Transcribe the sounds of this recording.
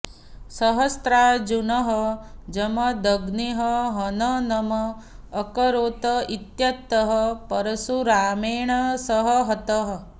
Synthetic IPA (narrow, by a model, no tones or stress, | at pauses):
sɐɦɐst̪ɾaːd͡ʒunɐɦəd͡ʒɐmɐd̪ɐɡniɦəɦɐnɐnɐmɐː | kɐɾoːt̪ɐit̪jɐt̪ːɐɦəpɐɾɐsuɾaːmeːɳ̃ɐsəɦəɦɐt̪ɐɦ